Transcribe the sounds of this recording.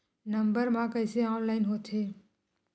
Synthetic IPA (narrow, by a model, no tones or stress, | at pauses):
nɐ̃mbəɾmãkəɪseɔːnlaːɪnɦoːt̪ʰɦeː